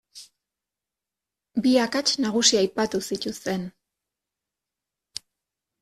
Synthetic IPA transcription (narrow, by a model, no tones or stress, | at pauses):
biakat͡ʃnaɣusiajpat̪usit̪ust̪e̞n